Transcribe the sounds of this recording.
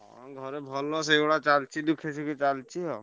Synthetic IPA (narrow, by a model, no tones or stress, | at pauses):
ɔɡʱɔɾebʱɔlːɔs̬eeɽat͡ʃalt͡ʃʰid̪ukʰet͡ʃʰiket͡ʃalt͡ʃʰiɔ